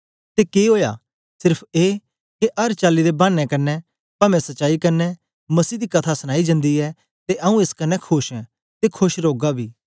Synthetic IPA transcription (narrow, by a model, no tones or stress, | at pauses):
t̪ekeɦoːja̰ | sɪɾpʰeː | keʔɐɾt͡ʃaːlːid̪ebãːɽɛ̃kɐnːɛ | pɐmɛ̃sɐtːʃaːikɐnːɛ | mɐsiːd̪ikɐt̪ʰasəñaːid͡ʒə̃nd̪iɛː | t̪eʔɐũeskɐnːɛkʰʊʃɛ̃ | t̪ekʰʊʃɾoːɡabʱiː